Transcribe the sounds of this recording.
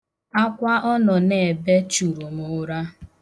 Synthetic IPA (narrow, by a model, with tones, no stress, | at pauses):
a˦kʷa˦ʔɔ˦nɔ˨ne˨be˦t͡ʃu˨ɾo˨mʊ˨˦ɾa˦